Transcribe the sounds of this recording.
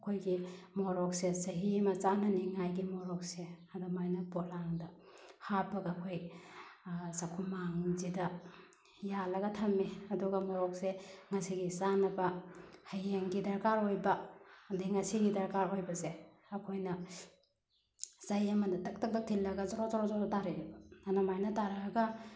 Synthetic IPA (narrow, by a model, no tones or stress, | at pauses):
kʰojɡimoɾɔk̚sezɐɦimɐt͡ʃanɐniŋajɡimoɾɔk̚seadamajnɐpolaŋdɐ | hapɐɡaːkʰoj | sakʰumaŋzidɐ | jalɐɡɐtʰɐmːiɐduɡɐmɔɾɔk̚seŋɐsiɡisanɐbɐhɐjeŋɡidaɾkaɾojbɐdiŋɐsiɡidɐɾkaɾojbɐse | ɐkʰojnɐ | z̥ɐjɐmɐnɐtɐk̚tɐk̚tɐk̚tʰilːɐɡɐzɐɾozaɾɔzɔɾodaɾiɾibɐanamajnɐtaɾɐɐɡɐ